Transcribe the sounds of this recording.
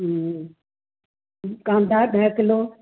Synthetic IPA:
kãːnd̪ʱaːɗeːkloː

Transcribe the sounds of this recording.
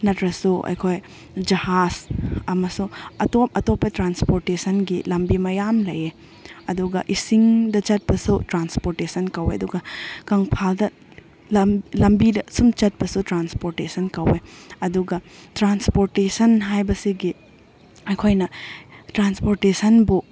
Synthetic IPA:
nɐtɾɐsuʔɐ̰jkʰoj | d͡ʒɐhazɐmɐsuɐtop̚ɐtopːɐtɾanspoɾtesɐnɡilɐmbimɐjamlɐje | ɐduɡɐʔisiŋdɐt͡ʃɐt̚pɐsutɾanspoɾtesɐnkɐwḛɐduɡɐkɐŋpʰaldɐ | lɐlɐmbidɐsumt͡ʃɐt̚pɐsutɾanspoɾtesɐnkɐweɐduɡɐtɾanspoɾtesɐnɦajbɐsiɡi | ɐjkʰojnɐtɾanspoɾtesɐnbu

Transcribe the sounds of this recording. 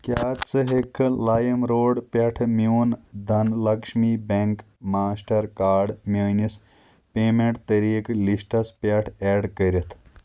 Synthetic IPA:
kjaːt̪t͡sɨɦekʰːɨlaːjɐmɾoːɖpʲɐʈʰmund̪ʱɐnlɐkʂmibeŋk | maːsʈɐɾkaːɖmjɐːnis | peːmeɳʈt̪ɐɾiːklisʈɐspɐʈʰeːɖkəɾɐt̪ʰ

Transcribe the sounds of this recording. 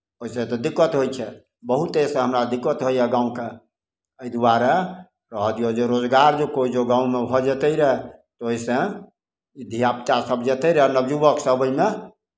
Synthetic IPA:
oɦisẽt̪ɔd̪ikːət̪ɦojt͡ʃʰɛ | bəɦut̪esẽɦəmɾad̪ikːət̪ɦojɛɡãũke | əjd̪waɾa | ɾəɦd̪ijod͡ʒeɾod͡ʒɡaɾd͡ʒekoid͡ʒoɡãũmebʱɔd͡ʒet̪əjɾɛt̪ɔoisẽ | id̪ʱijapt̪asəbʱd͡ʒet̪əjɾɛɦnəbd͡ʒubəksəbʱəjme

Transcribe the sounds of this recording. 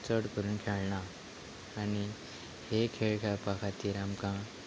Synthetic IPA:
t͡səɽkəɾuːnkʰeɭɳaː | ni | hekʰeɭkʰeɭpakʰat̪iːɾamkã

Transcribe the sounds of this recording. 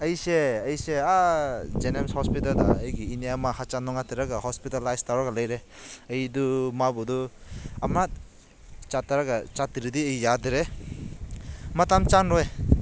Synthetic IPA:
əjseɐjsead͡ʒenemshɔspitalda̰əjɡiːnijamahat͡ʃanɔŋatiɾaɡahɔspitalajstawɾaɡaləjɾe | əjdumabuduamat̚ | t͡ʃataɾaɡat͡ʃatiɾidiejːadɾe | matamt͡ʃanɾɔj

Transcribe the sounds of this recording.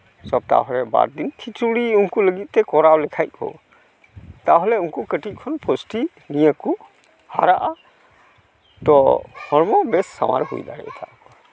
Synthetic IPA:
sɔb̚t̪a̰ɦɔɾɛba̰ɾd̪inkʰit͡ʃuɽiunkuləɡit̪̚t̪ɛkɔɾawlɛkʰajt̪̚ˀkʰɔ̰ | t̪aɦɔlɛunkukəʈit̪̚ˀkʰɔnpʰɔsʈi | nijəku | haɾaʔa | t̪ɔhɔɾmɔbɛsːa̰wa̰ɾhṵjd̪aɽɛ̰ʔt̪ʰaʔ

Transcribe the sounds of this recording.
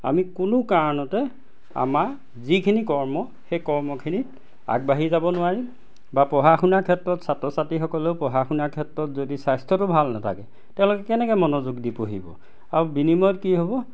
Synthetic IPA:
a̰mikunʊkaɹɔnɔtɛ | a̰maɹ | zikʰinikɔɹmɔ | xejkɔɹmɔkʰinit | a̰ɡbaɦizabɔnʊaɹim | bapɹɔɦaxunaɹkʰɛtɹɔtsatɹɔsatixɔkɔleʊpɔɦaxunaɹkʰɛtɹɔtzodisajstʰɔtʊbʱalnatʰa̰kɛ | tɛ̃ʊ̃lʊkɛkɛnɛkɛmɔnozuɡdipoɦḭbɔ̰ | aɹubinimɔtkiɦobɔ

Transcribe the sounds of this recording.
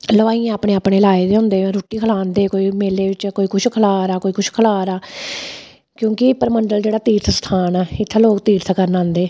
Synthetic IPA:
ləʋaːiːãːaːpɽeːaːpɽeːlaːeːd̪eːɦʊ̃nd̪ẽːɾoːʈiːkʰəlaːnd̪eːkoːiːmeːleːʋɪt͡ʃkoːiːkʊt͡ʃʰkʰəlaːɾaːkoːiːkʊt͡ʃʰkʰəlaːɾaː | kjõːkɪpəɾməɳɖəld͡ʒeːɽaːt̪iːɾt̪ʰst̪ʰaːnaːɪt̪ʰːaloːkt̪iːɾt̪ʰkəɾnãːnd̪eː

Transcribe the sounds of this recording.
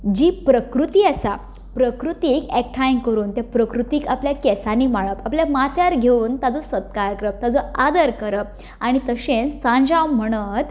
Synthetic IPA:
d͡ʑiːpɾəkɾut̪iːasa | pɾəkɾut̪iːkɛk̚ʈʰajŋkəɾuːnt̪japɾəkɾut̪iːkapljakɛsaniːmaɭəpapljamat̪ʰjaɾɡʱeuːnt̪ad͡zɔsət̪̚kaɾkɾəp̚t̪ad͡zɔad̪əɾkəɾəp̚ | aɽ̃it̪əɕẽnsãɲd͡ʑawm̤əɽ̃ət̪

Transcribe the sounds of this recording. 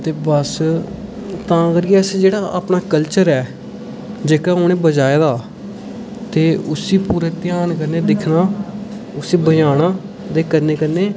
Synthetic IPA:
t̪eːbəs | t̪ãːkəɾiɛsd͡ʒeːɽaːʔa̰pnaːkəlt͡ʃəɾɛː | d͡ʒeːkaːɦoñẽːbəd͡ʒaːeːd̪aː | t̪eːʊsiːpuːɾeːt̪ɪjaːnkəɾneːd̪ɪkʰnaː | ʊsiːbəjaːnãː | d̪eːkəɾneːkəɾneː

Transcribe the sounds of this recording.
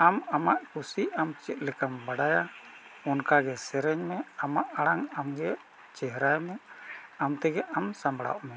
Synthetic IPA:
amamaʔkusiamt͡ʃɛt̪̚lɛkambaɽajaɔnkaɡɛsɛɾɛɲmɛamaʔaɽaŋamɡɛ | t͡ʃɛɦɾajmɛamt̪ɛɡɛʔamsambɽa̰ʔmɛ

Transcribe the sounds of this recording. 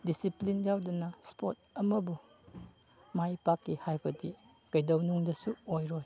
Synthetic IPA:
disiplinjawdɐnaspʰot̚ɐmɐbu | majpakːihajbʰɐdi | kɐjdɐwnuŋdɐsuojɾoj

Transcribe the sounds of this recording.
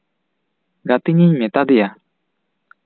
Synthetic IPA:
ɡat̪iɲeɲmet̪ad̪ija

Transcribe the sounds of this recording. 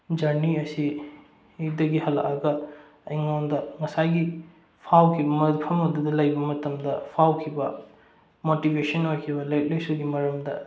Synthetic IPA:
d͡ʒɐɾniɐsi | ik̚dɐɡiɦɐlɐ̰ʔaɡɐ | ɐjŋondɐŋɐsajɡi | pʰawkʰibɐmɐpʰɐmɐdudɐlɐjbɐmɐtɐmdɐpʰawkʰibɐ | motibesɐnojkʰibɐlɐjt̚lejsuɡimɐɾɐmdɐ

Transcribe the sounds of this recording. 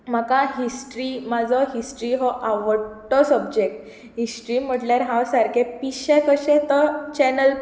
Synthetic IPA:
m̤akãɦisʈɾimad͡zɔɦisʈɾiɦɔʔaʋəɽʈːɔsəbd͡ʑek̚ʈ | ɦisʈɾim̤əʈljaɾɦãwsaɾkʰepiɕekəɕẽt̪ɔt͡ɕɛnəl

